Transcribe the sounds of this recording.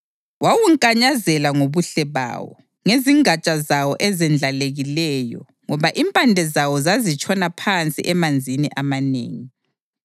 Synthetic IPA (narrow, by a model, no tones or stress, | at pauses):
wawuŋkʼaɲazɛlaŋoβuɬɛβa̰ːwɔ̰ | ŋeziŋat͡ʃʼazawɔʔɛzɛnd͡ɮʱaleɣilɛjɔ̰ | ŋɔβaʔimpʼandʱɛzawɔzazit͡ʃʼɔnapʰant͡sʼḭʔɛmand͡zʱiniʔamanḛːŋi